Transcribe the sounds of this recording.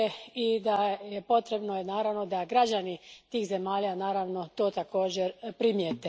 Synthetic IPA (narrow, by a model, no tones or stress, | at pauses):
eid̪aje̞po̞t̪ɾe̞bnoenaːɾaʋno̞d̪aɡɾad͡ʑanit̪iːxze̞maːʎanaːɾaʋno̞t̪o̞ːt̪ako̞ːd͡ʑeɾpɾimjet̪e